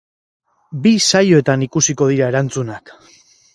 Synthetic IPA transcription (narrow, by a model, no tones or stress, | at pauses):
bisajo̞e̞t̪anikusiko̞ð̞iɾae̞ɾant͡sunak